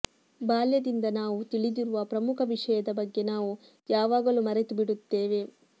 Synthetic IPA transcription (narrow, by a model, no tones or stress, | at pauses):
baːljɐd̪ind̪ɐnaːʋut̪iɭid̪iɾuʋɐpɾɐmukʰɐʋiʂɐjɐd̪ɐbɐɡːe̞naːʋu | jaːʋaːɡɐlumɐɾet̪ubiɽut̪ːe̞ːʋe̞